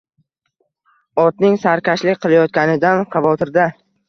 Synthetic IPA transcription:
ɒt̪̚nɪŋsaɾkʲʰaʃlɪk̚ʲqʰɨlˠajɒt̪̚kʲanɪd̪anqʰɑvɒt̪ʰɪɾd̪a

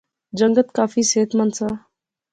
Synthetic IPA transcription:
d͡ʒə̃ŋɡət̪kaːfiːseːt̪mənsaː

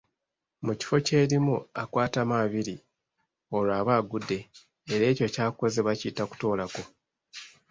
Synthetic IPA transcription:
muci̥fo̞ce̞ːɾimuakwaːtamaβiɾi | o̞laːβaːɡudːe̞ː | ɾe̞ːco̞caːkko̞zeβaciːtaku̥to̞ːlako̞

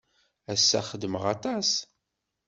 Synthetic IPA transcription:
æsːæχəd̪məʁɑt̪ˤɑs

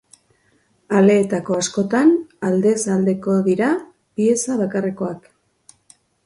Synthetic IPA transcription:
ale̞ːt̪ako̞asko̞t̪anald̪e̞sald̪e̞ko̞ðiɾa | pie̞saβakareko̞ak

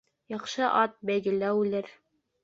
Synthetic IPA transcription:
jɑqʃɤʔɑt̪̚bæjɡɘ̆læwʉlɘɾ

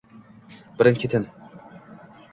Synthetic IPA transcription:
bɪɾɪnkʲʰet̪ʰɪn

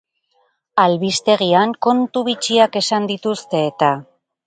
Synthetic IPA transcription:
alβist̪e̞ɣ̞iaŋko̞nt̪uβit͡ʃiake̞sand̪it̪ust̪e̞ːt̪a

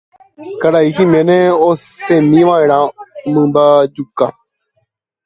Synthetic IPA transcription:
kaɾaihĩmẽnẽosẽmĩʋaeɾ̃ãmɨ̃mbad͡ʒuka

